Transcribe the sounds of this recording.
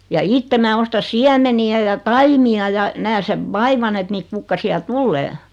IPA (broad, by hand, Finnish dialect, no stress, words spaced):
jɑ itːe mæː ostɑ siæmeniæ jɑ tɑimiɑ jɑ næː seʋ ʋɑiʋɑn et niːt kukːɑsiɑ tulːeː